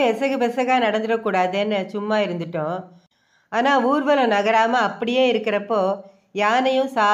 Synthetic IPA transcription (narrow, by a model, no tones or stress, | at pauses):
ɛsɐɣɯbɛsɐɣaːnɐɽɐnd̪ɯɾɐkːuːɽaːðeːnːɯt͡ʃʊmːaːɪɾɯnd̪ɯʈːʊ̃ | aːnaːuːɾʋɐlʊ̃nɐɣɐɾaːmɐɐpːɐɽɪjeːɪɾɯkːɪɾɐpːoː | jaːnɐjʊ̃saː